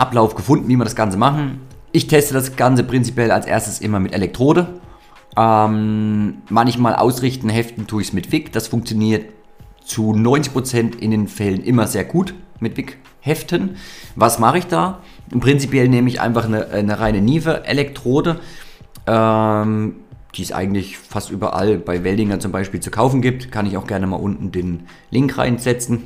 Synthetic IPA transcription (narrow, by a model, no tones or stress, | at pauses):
ʔaplaʊfɡ̥əfʊndn̩viːmiːɐɾasɡ̥ant͡səmaχn̩ʔɪçtʰɛstəd̥asɡ̥ant͡səpʁ̥ɪnt͡sipjɛla̰lsʔḛːɐstəsʔɪmɐmɪtʔelɛk̚tʁ̥oːɾə | ʔɛmː | ançmaːlʔa̰ʊsʁɪçtn̩ɦɛftn̩tʰuːɪçsmɪtv̥ɪkd̥asfʊŋk̚t͡sjoniːɐt̚ | t͡sunɔʏnt͡sɪçpʁot͡sɛntɪ̰ndeːnfɛlənʔɪmɐzeːɐɡuːtmɪtv̥ɪk | hɛftʰənvasmaχəɪçd̥aː | pʁ̥ɪnt͡sipjɛlneːməɪçʔa̰ɪnfaχnəʔnəʁaɪnəniːfəʔḛlɛktʁ̥oːdə | ʔɛːm | d̥iːsʔa̰ɪɡŋ̩tlɪçfastʔyːbɐ̰ʔa̰lbaɪvɛldɪŋɐt͡sʊmbaɪʃpiːlt͡su̥kʰaʊfn̩ɡiːp̚tkʰanɪçaʊxɡ̥ɛɐnəma̰ːlʔʊntn̩deːn | lɪŋkʁa̰ɪnz̥ɛt͡sn̩